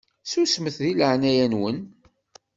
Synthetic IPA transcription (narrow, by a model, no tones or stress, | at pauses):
susməθðiləʕnæjænwən